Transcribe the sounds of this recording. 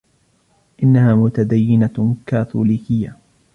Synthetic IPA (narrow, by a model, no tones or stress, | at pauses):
ʔɪnːahaːmʊt̪ad̪ajːɪnakaːθuːliːkɪjːa